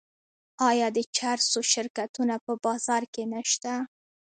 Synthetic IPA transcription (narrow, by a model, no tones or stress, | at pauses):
ɑjɑd̪ət͡ʃaɾsoʃɪɾkat̪unapəbɑz̥ɑɾkenaʃt̪a